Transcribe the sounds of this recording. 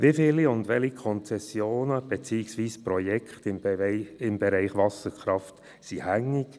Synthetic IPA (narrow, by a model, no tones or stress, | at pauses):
ʋifɪliʊndʋɛlikʰɔnt͡sɛsjoːnəb̥et͡siːɪksʋiːsprɔjɛkχtɪmɪmbɛɾɛɪχʋɑsəɾkʰɾɑft | sihæŋːɪk